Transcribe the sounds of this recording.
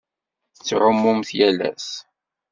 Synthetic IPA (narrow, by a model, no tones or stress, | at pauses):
t͡sːʕʊmːʊmθjælæ̰s